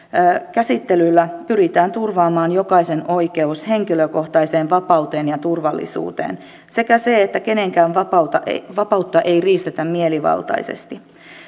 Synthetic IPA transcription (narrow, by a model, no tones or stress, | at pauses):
kæsit̪ːelylːæpyɾit̪æːnt̪urʋɑːmɑːnjo̞kɑise̞no̞ike̞ushe̞ŋk̟iløko̞ht̪ɑise̞ːnʋɑpɑuwt̪e̞ːnjɑt̪urʋɑlːḭsṵːt̪ḛːn | se̞kæseet̪ːæke̞ne̞ŋkæːnʋɑpɑut̪ɑʋɑpɑut̪ːɑʔe̞jriːst̪et̪æmmieliʋɑ̰lt̪ɑ̰isḛst̪i